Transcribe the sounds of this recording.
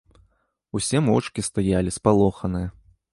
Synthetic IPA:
usʲɛmɔt͡ʂkʲist̪ajalʲispalˠɔxɐnɨjɐ

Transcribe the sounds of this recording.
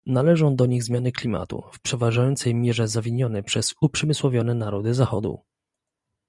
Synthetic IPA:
nalɛʐɔ̃w̃d̪ɔɲiɣzmʲjanɘklʲima̰t̪ṵfpʂɛvaʐajɔnt̪sɛjmʲjɛʐɛzavʲiɲɔnɛpʂɛz̥upʂɛmɘswɔvʲjɔnɛnaɾɔd̪ɘzaxɔ̰d̪ṵ

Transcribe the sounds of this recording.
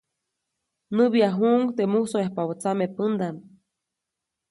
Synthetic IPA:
nɨβiaɦuʔŋɡt̪emusoehpawot͡samepənd̪am

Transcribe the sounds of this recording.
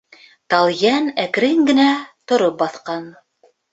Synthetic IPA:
t̪ɑlˠjænæk̆ɾɘŋɡɘ̆næt̪ŏɾop̚bɑθqɑn

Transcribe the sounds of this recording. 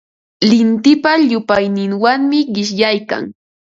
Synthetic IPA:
lɪnt̪ɪpaʎʊpajnɪŋwaŋmɪɢɪʃjajka̰ŋ

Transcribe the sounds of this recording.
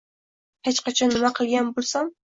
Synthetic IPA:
het͡ʃqɑt͡ʃʰɑnːɨmæqʰəlˠɡʲænbolˠsɑm

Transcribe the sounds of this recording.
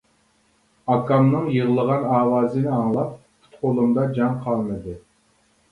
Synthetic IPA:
ɑkɑmnɨŋjɨʁlˠəʁɑnɑːwɑːzɨnɪɑŋlˠɑp̚pʰu̥t̪qolˠumd̪ɑd͡ʒɑŋqʰɑlˠmɨd̪ɨ

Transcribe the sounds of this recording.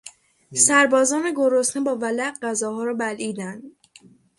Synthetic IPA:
sæɾbɒːzɒːneɡo̞ɾosnebɒːvælæʔɢæzɒːɦhɒːɾɒːbæliːd̪ænd̪

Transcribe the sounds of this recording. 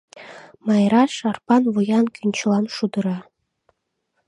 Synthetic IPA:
mɑjɾɑʃɑrpɑnvujɑnkʰʲynʲt͡ɕlˠɑnʂud̪ɤ̆ɾɑ

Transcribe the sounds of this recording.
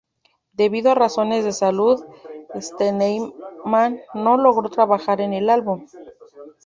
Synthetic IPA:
d̪e̞βiðoaraso̞ne̞zðe̞saluðest̪enejmanːo̞lo̞ɣɾo̞t̪ɾaβaxaɾe̞ne̞lalβum

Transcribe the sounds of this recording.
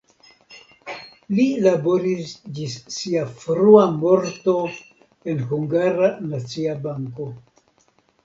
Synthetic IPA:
lilaboɾisd͡ʒisːiafɾuamo̞ɾto̞ | e̞nɦuŋɡaɾanat͡siabaŋko̞

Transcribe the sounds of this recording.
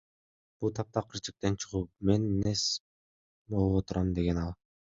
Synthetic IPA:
b̥ulˠt̪ʰɑp̚t̪ɑqʰɯɾt͡ʃi̥k̚t̪ent͡ʃʰɯʁuːpme̞nːes | bolˠuβot̪uɾɑmd̪e̞ɡe̞nɑlˠ

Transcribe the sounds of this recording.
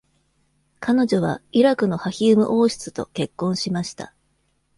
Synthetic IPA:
kʰano̞d͡ʑo̞β̞a̰iɾakɯ̟no̞haçʲiɯ̟mɯ̟̰ʔo̞ːɕi̥t͡sɨ̥t̪o̞̰ke̞kːõ̞ɰ̃ɕimaɕi̥t̪a̰

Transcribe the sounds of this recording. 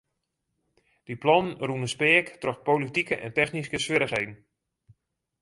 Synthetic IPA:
d̥iplɔnənrunəspɪəktrɔxpowlitikəʔɛ̰ntɛxniskəsʋɪɾəxɦejdn̩

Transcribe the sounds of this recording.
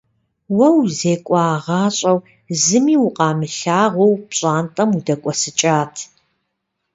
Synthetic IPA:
wɐwzeːkʷʼɑːʁɑːɕʼɐw | zɨmiːwʊqɑːmɨɬaːʁʷowpɕʼaːntʼɐmudɐkʷʼɔsɨt͡ʃʼaːtʰ

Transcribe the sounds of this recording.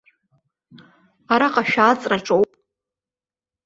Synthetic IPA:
aɾaqʼaʃᶣaːt͡sʼraʈ͡ʂʼowpʼ

